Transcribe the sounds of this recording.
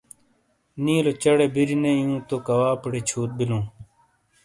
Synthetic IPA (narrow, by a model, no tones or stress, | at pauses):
nĩːlot͡ɕɐɽeːbiɾineijũːt̪okɐwaːpɐɽeːt͡ɕʰuːt̪̚bilõː